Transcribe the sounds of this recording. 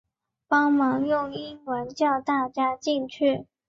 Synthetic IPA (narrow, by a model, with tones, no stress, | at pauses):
pɑ˥ŋmɑ˧˥ŋjʊ˥˩ŋi˥nwə˧˥nt͡ɕjɑ˥˧ʊt̪a˥˩t͡ɕja˥t͡ɕi˥˧nt͡ɕʰy˥˩